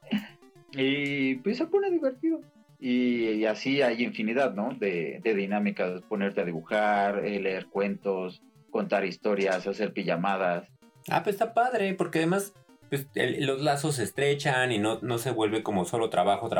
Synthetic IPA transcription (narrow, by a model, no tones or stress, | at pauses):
ipwesaponeðiβe̞ɾt̪iðo | iasiajiɱfiniðaðno̞ðeðe̞ðinamikaspo̞ne̞ɾt̪eaðiβuxaɾele̞eɾkwe̞nt̪o̞s | ko̞nt̪aɾist̪o̞ɾjasase̞ɾpiʝamað̞as | a̰pwesst̪apaðɾepo̞ɾkeaðemas | pwesḛlo̞zlaso̞s̬ːe̞st̪ɾe̞t͡ʃaninono̞se̞βwe̞lβe̞ko̞moso̞lot̪ɾaβaxot̪ɾa